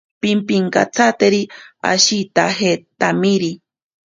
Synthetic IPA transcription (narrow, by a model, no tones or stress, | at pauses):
pimpiŋka̰t͡sʰat̪eɾia̰ʃit̪aɦet̪amiɾi